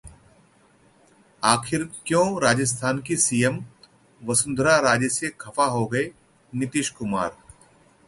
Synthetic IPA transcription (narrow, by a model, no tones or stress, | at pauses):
aːxʰɪɾkjõːɾaːd͡ʒəs̬t̪ʰaːnkisiːjəm | ʋɐsʊ̃nd̪ʱɾaɾaːd͡ʒsekʰɐfaɦoɡɐe | nɪt̪ɪʃkʊmaːɾ